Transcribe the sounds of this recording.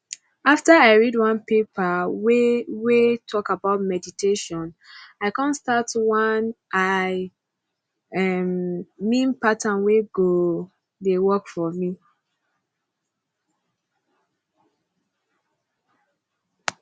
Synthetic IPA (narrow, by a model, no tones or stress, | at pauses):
aftaaɪɹidwãnpepʰawewetʰɔkabaʊtmɛditʰeʃɔ̃naɪkãnstatwanʔaɪ | ɛmmĩnpatãnweɡo | dewɔkfɔmi